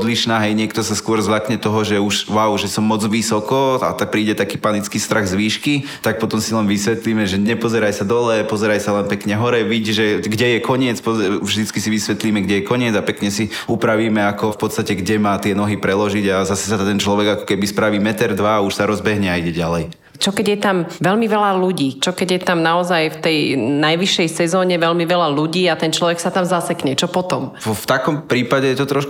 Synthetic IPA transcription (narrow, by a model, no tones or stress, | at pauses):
d̪liʃnaːɦɛjɲɪɛkt̪ɔsaskʊɔɾzlakɲɛt̪ɔɦɔʒɛuʃʋaʊʒɛsɔmːɔd͡zʋisɔkɔa̰t̪ak̚pɾiːɟɛt̪akiːpanit͡skiːst̪ɾʔaɣzʋiːʃkit̪ak̚pɔt̪ɔmsilɛnʋisʋɛt̪liːmɛʒɛɲɛpɔzɛɾajsad̪ɔlɛpɔzɛɾajsalɛnpɛkɲɛɦɔɾɛʋiɟʒɛɡɟɛjɛkɔɲɪɛt͡spɔvʒd̪it͡skisiʋisʋɛt̪liːmɛɡɟɛjɛkɔɲɪɛd͡zapɛkɲɛsi | upɾaʋiːmɛakɔfpɔt̪st̪acɛɡɟɛmaːt̪ɪɛnɔɦipɾɛlɔʒiɟazasɛsat̪ɛnt͡ʃlɔʋɛɡakɔ̥kɛbispɾaʋiːmɛt̪ɛɾd̪ʋaːuʃsaɾɔzbɛɦɲɛaiɟɛɟalɛj | t͡ʃɔkɛɟjɛt̪amʋɛlmiʋɛlaluɟiːt͡ʃɔkɛɟjɛt̪amnaɔzajft̪ɛjnajʋiʃɛjsɛzɔːɲɛʋɛlmiʋɛlaluɟiːat̪ɛnt͡ʃlɔʋɛksat̪amzasɛkɲɛt͡ʃɔpɔt̪ɔm | ɔft̪akɔmpɾiːpaɟɛjɛt̪ɔt̪ɾɔʃk